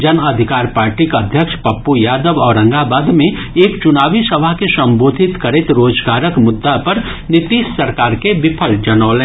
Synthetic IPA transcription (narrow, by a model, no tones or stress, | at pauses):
d͡ʒɐnɐd̪ʱɪkaːɾpaːɾʈikɐd̪ʱjəkʃpɐpːujaːd̪əʋɔːɾɐ̃ŋɡabaːd̪mẽ | eːkt͡ʃʊnaːʋisɐbʱaɦkesɐ̃mboːd̪ʱɪt̪kɐɾɪt̪ɾoːd͡ʒɡaːɾəkmʊd̪ːapɐɾ | nɪt̪iːʃsɐɾkaːɾkebɪpʰəld͡ʒɐnɔːlẽː